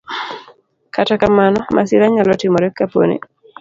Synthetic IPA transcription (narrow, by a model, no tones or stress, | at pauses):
katakamanɔmʔasɪɾaɲalɔtɪmɔɾɛkːapo̰nḛ